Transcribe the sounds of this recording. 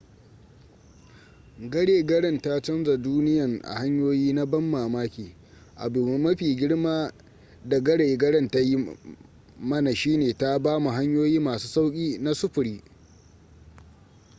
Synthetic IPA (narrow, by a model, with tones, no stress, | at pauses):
ɡɐ˦ɽeː˨ɡɐ˦ɽɐ˦nta˦t͡ʃɐ˦nza˨duː˦nɪ˦jɐ˨ŋʔa̰˨ha˦ɲjoː˦jiː˦na˦bɐ˦mːaː˨maː˦kʲiː˨ | ʔa̰˨bu˨m˦mɐ˦ɸiː˨ɡʲɪ˦ɽmaː˦ | da˨ɡɐ˦ɽeː˨ɡɐ˦ɽɐ˦˨nta˦ji˦ | mɐ˦na˨ʃiː˦neː˨ta˦baː˦mu˨ɦa˦ɲjoː˦jiː˦maː˨su̥ː˦sa˦wkʲʼiː˦na˦sʊ˦ɸʊ˨ɽiː˦